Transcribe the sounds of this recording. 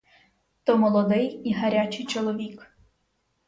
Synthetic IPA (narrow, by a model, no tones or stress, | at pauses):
t̪ɔmɔlˠɔd̪ɪjiɦɐɾʲat͡ʃɪjt͡ʃɔlˠɔʋʲik